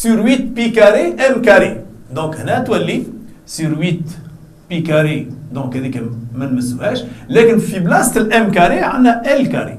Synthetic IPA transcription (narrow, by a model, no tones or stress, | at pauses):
syɾwit̪pikaɾiʔɛmkaɾi | d̪ɔ̃khnæt̪wælːi | syɾwit̪ | pikaɾid̪ɔ̃khæd̪ikæmænməsːuhæʃlækənfiblɑst̪əlʔɛmkaɾiʕanːæʔælka̰ɾḭ